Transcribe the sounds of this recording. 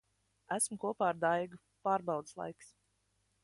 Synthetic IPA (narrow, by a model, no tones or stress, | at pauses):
æsmkuɔpaːɾd̪ajɡu | paːɾbɑwd̪slˠa̰jks